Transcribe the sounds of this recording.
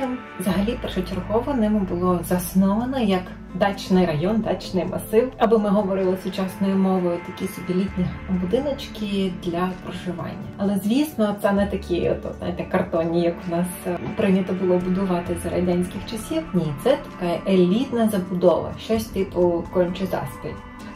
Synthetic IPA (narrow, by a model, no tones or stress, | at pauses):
zɐɦɐlʲipɛrʃɔt͡ʃʲɪrɦɔʋɔnɪmʊbʊlˠɔzɐsnɔʋɐnɐjɐk | d̪ɑt͡ʃnɪjɾɐjɔnd̪ɑt͡ʃnɪjmɐsɪwɐbɪmɪɦɔʋɔɾɪlˠɪsʊt͡ʃɑsnɔjʊmɔʋɔjʊt̪ɐkʲisʊbʲilʲit̪ʲnʲibʊd̪ɪnɐt͡ʃkʲɪd̪lʲɐpɾɔʒɪʋɑ̰nʲːɐɐlˠɛzʲʋʲisnɔt̪sɛnɛt̪ɐkʲiɔ̰t̪znɑ̰jɪt̪ɛkːɐrt̪ɔnʲijɐkʊnɑspɾɪnʲɐt̪ɔbʊlˠɔbʊd̪ʊʋɑt̪ɪzɾɐ̰dʲanʲsʲkʲɪxt͡ʃɐsʲiwnʲit̪sɛt̪ɐ̥kɑjɛʔelʲit̪nɐzɐbʊd̪ɔʋɐ̰ʃt͡ʃɔsʲt̪ɪpʊkɔnʲt͡ʃʊzɑ̰spʲɪtʲ